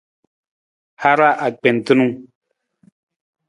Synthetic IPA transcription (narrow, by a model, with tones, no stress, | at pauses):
ha˦ɾa˦ʔa˨k͡pɛ˨n˨tɨ˦nu˦